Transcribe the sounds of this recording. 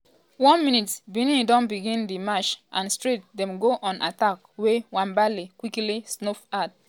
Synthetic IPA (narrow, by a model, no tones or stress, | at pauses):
wɔ̃nmĩnitbinĩdɔ̃nbiɡĩndimat͡ʃʔã̰nstɹit̚dɛ̃mɡoʔɔ̃nʔa̰tak | wewãnbalikwiklisnofad̚